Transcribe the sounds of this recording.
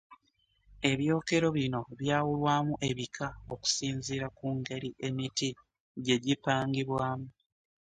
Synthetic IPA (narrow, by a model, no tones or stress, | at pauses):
e̞βjo̞ːke̞ɾo̞βino̞βjaːwulwaːmuʔe̞βikʰaoku̥siːnziːɾakuːŋɡe̞ɾiʔe̞miti | ɟe̞ɟipaːŋɡiβwaːmu